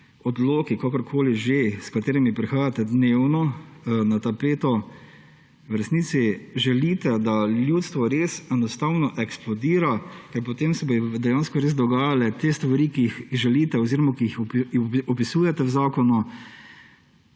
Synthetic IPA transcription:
ɔd̪loːkikakəɾkʰoːliʒeskat̪eːɾimipɾixaːjat̪ɛd̪neːwnɔnat̪apeːt̪ɔ | wɾɛsniːsiʒɛlit̪ɛd̪aljuːt̪st̪ʋɔɾeːsɛnɔst̪awnɔʔɛksplɔd̪iːɾakɛɾpɔt̪emsɛbod̪ɛjaːnskɔɾeːzd̪ɔɡaːjalɛt̪eːst̪ʋaɾikiixiʒɛliːt̪ɛɔziːɾɔmakiixpɔpisuːjɛt̪ɛwzaːkɔnu

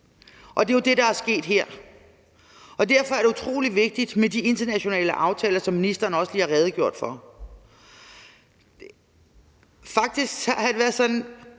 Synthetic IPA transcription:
ʔɒ̽d̥e̝jo̝d̥e̝ɾ̥ɑ̈æsɡ̥e̝̰ːd̥ɦeɐ̰ | ʔɒ̽d̥æɐ̰fɒ̽æɐɾ̥e̝ut͡sʰʁo̝̰ːliʋe̝ɡ̥̚d̥id̥med̥ie̝nd̥ɐnæɕo̝nɛ̰ːləʔɑ̈ʊt͡sʰɛːlɐsɒ̽mːinisd̥ɐːnɒ̽sə̥liːhɑ̈ʁɛːð̞ˠɡjo̝ɐ̰d̥fɒ̽ | fɑ̈ɡ̥̚d̥isɡ̥hæd̥e̝ʋæːɐðˠsɒ̽nn̩

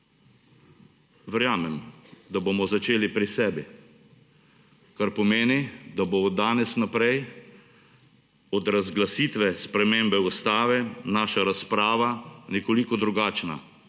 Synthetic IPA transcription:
ʋɛɾjaːmɛmd̪aboːmɔzat͡ʃeːlipɾisɛːbi | kaɾpɔmeːnid̪abod̪aːnɛsnapɾɛj | ɔd̪ɾazɡlasiːt̪ʋɛspɾɛmeːmbɛust̪aːʋɛnaːʃaɾaspɾaːʋanɛkolikɔd̪ɾuɡaːt͡ʃna̰

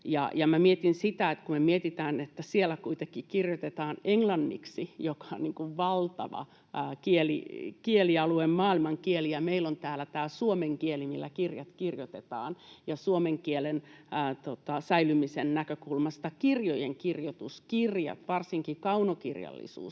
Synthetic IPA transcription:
jɑ̰jɑmæmiet̪insit̪æet̪kumemiet̪it̪æːnet̪ːæsielːækuit̪ekːikirjot̪et̪ɑːneŋlɑnːḭksijokɑ̥onniŋkuʋʋɑlt̪ɑ̰ʋɑ̰ | kielḭkieliɑluemmɑːilmɑŋkielijɑmeilont̪æːlæt̪æːsuomeŋkielimilːæ̰kirjɑt̪kirjot̪et̪ɑ̰ːnjɑsuomeŋkielent̪ot̪ɑsæilymisennækøkulmɑst̪ɑkirjojeŋkirjot̪uskirjɑ̰t̪ʋɑrsiŋkikɑunokirjɑ̰lːḭsṵːs

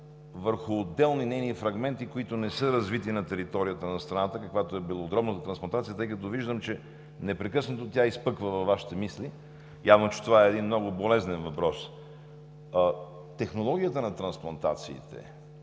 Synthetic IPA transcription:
vəɾxʊːd̪ɛlˠninɛjnifɾɐɡmɛnt̪ikoit̪ʊnɛsɤɾɐzvit̪inɐt̪ɛɾit̪ɔɾijət̪ənɐst̪ɾɐnat̪əkɐkvat̪oɛbilˠoːd̪ɾɔbnət̪ət̪ɾɐnsplˠɐnt̪at̪sijət̪ɤjkət̪oviʒd̪əmt͡ʃɛ | nɛpɾɛkɤsnət̪ot̪ʲaispɤkvəvɐvːaʃi̥t̪ɛmisli | javnot͡ʃɛ̥t̪ovaɛːd̪inmnɔɡʊbolɛznɛnvɐpɾɔs | t̪ɛxnolˠɔɡʲijət̪ənɐt̪ɾɐnsplˠɐnt̪a̰t̪sḭːt̪ɛ̰

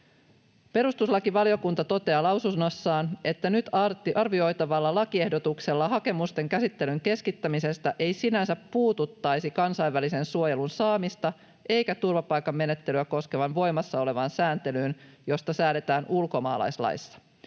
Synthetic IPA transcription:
pe̞ɾust̪uslɑkiʋɑlio̞kunt̪ɑt̪o̞t̪eɑlɑwsusno̞sːɑːne̞t̪ːænyt̪ɑrt̪ʔɑrʋio̞jt̪ɑʋɑlːɑlɑkie̞hdo̞t̪ukse̞lːɑɦɑke̞must̪e̞ŋkæsit̪ːe̞lyŋke̞skit̪ːæmise̞st̪æʔe̞jsinænsæpːuːt̪ut̪ːɑjsikɑnsɑjʋːælise̞nsuo̞jelunsɑːmist̪ɑ | ʔe̞jkæt̪urʋɑpɑjkɑmːe̞ne̞t̪ːe̞lyæko̞ske̞ʋɑnʋo̞jmɑsːɑole̞ʋɑnsæːnt̪e̞lyːnjo̞st̪ɑsæːle̞t̪æːnʔulko̞mɑ̰ːlɑ̰jslɑ̰jsːɑ̥

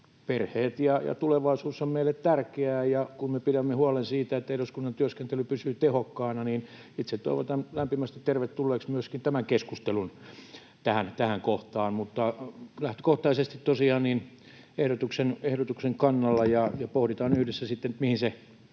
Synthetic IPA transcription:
perheːt̪jɑjɑ̰t̪uleʋɑisuːsːommeilːet̪t̪ærkeæːjɑkummepiɾæmːehuɑlensiːt̪æet̪ːæeɾuskunːɑnt̪yøskent̪elypysyːt̪ehokːɑːnɑniːn | it̪set̪to̰iʋo̰t̪ɑnlæmpimæst̪it̪t̪erʋet̪tːulːeːksmyøskint̪æmæŋkeskust̪elun | t̪æhænt̪æhæŋkoht̪ɑːnmut̪ːɑlæht̪y̥koht̪ɑisest̪it̪t̪osiɑːnnin | ehɾot̪uksenehɾot̪ukseŋkɑnːɑlːɑjɑjɑpohɾit̪ɑːnyhdesːæsit̪ːent̪mihinse

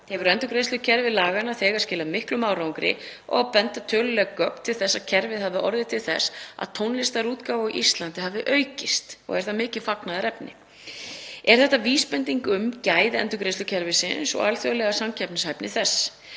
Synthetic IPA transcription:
hɛvʏɾɛnt̪ʏkɾejst̪ʏcʰɛɾvɪlaːɣanaθɛːɣascɪːlamɪhklʏmaːwɾawŋkɾɪ̰ɔ̰ɣapɛnt̪at̪ʰœːlʏlɛɣakœpt̪ʰːɪlθɛsːacʰɛɾvɪðhavðɪɔɾðɪt̪ʰɪlθɛ̰sːa̰ðt̪ʰownlɪst̪aɾuːt̪kawvaʔist̪lant̪ɪɦavðɪʔœːɥcɪst̪ɔ̰ɣɛɾ̥θamɪːcɪðfaknaðaɾɛpnɪ̰ | ɛɾ̥θɛht̪ːaviːspɛnt̪iŋkʏmcaːjðɛ̰nt̪ʏkɾejsʏcʰɛɾvɪsɪnsɔ̰ɣa̰lθœlɛɣasamcʰɛp̚nɪshajpnɪθɛsː

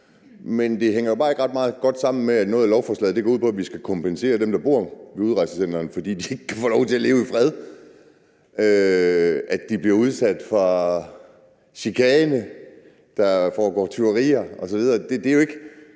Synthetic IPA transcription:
mend̥e̝ɦeŋ̰ɐjo̝b̥ɑ̈ːe̝ɡ̥ʁɑ̈d̥mɑ̈ːð̩ˠɡ̥ɒ̽d̥sɑ̈m̰n̩meænɔːð̩ˠælɒʊfɒːslɛ̰ðˠd̥eɡ̥ɒ̰uð̰ˠpʰɒ̽æʋisɡ̥ækʰɒ̽mpʰense̝̰ːɐd̥emd̥ɑ̈b̥o̝ɐʋeuð̞ˠɑ̈ɪsəsen̰̥ɐːnfɒ̽d̥ḭːd̥ie̝ɡ̥əkʰæfɒ̰ːlɒʊt͡sʰe̝æle̝ːʊifʁɛð̞ˠ | ø | æ̥d̥ib̥liɐuð̞ˠsæd̥fʁɑ | ɕikʰɛːnə | d̥ɑ̈fɒːɡ̥ɒ̰ːt͡sʰyɐʁḭːɐɒ̽sɒʋið̞ˠɐd̥e̝d̥e̝æjo̝e̝ɡ̥ə

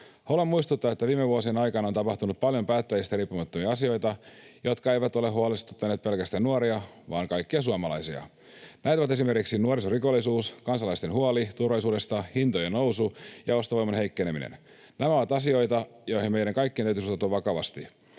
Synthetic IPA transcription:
holemmuist̪ut̪ːɑʋɑet̪ːæʋiːmeʋuosienɑjkɑnɑont̪ɑpɑht̪unut̪̚pɑljo̞mpæːt̪ːæjist̪æriːpːumɑt̪ːomiɑɑsio̞jt̪ɑjo̞t̪kɑejʋæt̪oleɦuɑlest̪u̥t̪ːɑneːt̪̚pe̞lkæst̪ænnuɑɾiɑ | ʋɑ̰ːŋkɑjkːiɑs̬uɑmɑlɑjsiɑ̰ | næit̪oʋɑt̪e̞simerkiksinuoɾisoriko̞lːˑisuːskɑnsɑlɑist̪enɦuɑlit̪urʋɑlisuːde̞st̪ɑhint̪ojenowsujɑo̞st̪oʋojmɑnɦe̞jkːeneminḛn | næmæoʋɑt̪ɑsio̞jt̪ɑjo̞jhimejdæŋkɑjkːienæyt̪ysutot̪uɑʋʋɑkɑʋɑ̰st̪i

